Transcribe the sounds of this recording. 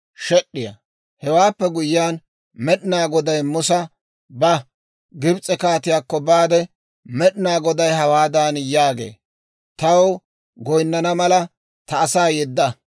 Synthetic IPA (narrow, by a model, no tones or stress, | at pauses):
ʃɛɗːɪjɐ̰ | hɛwaːpːɛɡʊjɪjaːn | mɛɗɪnaːɡɔd̪ɐjmʊsɐ | bɐ | ɡɪbt͡sʼɛkaːt̪ɪjaːkːɔbaːd̪ɛ | mɛɗɪnaːɡɔd̪ɐjhɐwaːd̪aːnjaːɡḛː | t̪ɐw | ɡɔjnːɐnɐmɐlɐ | t̪ɐːsaːjɛd̪ːɐ